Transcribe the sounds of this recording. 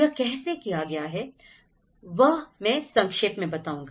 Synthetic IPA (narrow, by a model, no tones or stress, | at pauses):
ɐkɛɦsekijaɡɐjaɦɛ | ʋɐɦmɛ̃sɐ̃ŋkʃeːpmẽbɐt̪aːũːŋɡa